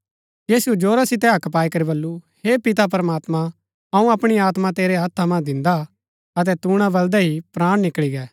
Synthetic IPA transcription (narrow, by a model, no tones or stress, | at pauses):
jiːsuɛd͡ʒoːɾasɪt̪̬ɛɦɐkpaːikɐɾibɐlːuheːpɪt̪ap̬ɐɾəmaːt̪mã | ɐũɐpɽ̃iaːt̪mãt̪eːɾɛɦɐt̪ʰːamãd̪ɪ̃nd̪a | ɐt̪̬ɛt̪uːɽ̃abɐld̪ɛɦipɾaːɽ̃nɪkɭiɡɛː